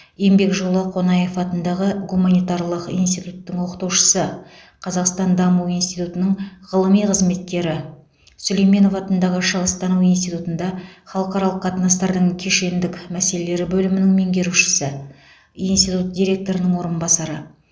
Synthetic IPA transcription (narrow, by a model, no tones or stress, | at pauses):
je̞mbe̞kʒolˠɑqʰo̞nɑje̞fɑt̪ənd̪ɑʁəɡumɑnijt̪ɑɾlˠəqḭjnst̪ijt̪ut̪ːəŋwo̞qə̥t̪uwʃə̥sə | qʰɑzɑqst̪ɑnd̪ɑmuwijnst̪it̪ut̪ənəɴʁəlˠəmijqʰəzme̞t̪̚kʲe̞ɾɪ | sɵle̞jme̞no̞fɑt̪ənd̪ɑʁəʃəʁəst̪ɑnuinst̪ijt̪ut̪ənd̪ɑχɑlˠəqɑɾɑlˠəqːʰɑt̪ənɑst̪ɑɾd̪əɴkʲʰeʃe̞nd̪ɪkmæse̞lele̞ɾɪbɵlɪmɪnɪŋme̞ŋɡʲe̞ɾuʃɪ̥sə | inst̪ijt̪ut̪̚d̪ʲijɾʲe̞k̚t̪o̞ɾənəŋwo̞ɾənbɑsɑɾə